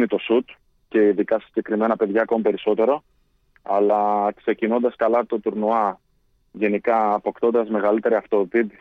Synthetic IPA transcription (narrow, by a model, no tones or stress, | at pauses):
nit̪o̞sut̪ | ce̞iðikɐsi̥ɟe̞kɾime̞nɐpe̞ðʝɐːko̞mipe̞ɾiso̞t̪e̞ɾo̞ | ɐlɐkse̞cino̞nd̪ɐskɐlɐt̪o̞t̪uɾnuɐ | ʝe̞nikɐːpo̞kt̪o̞nd̪ɐzme̞ɣɐlit̪e̞ɾiɐft̪opipi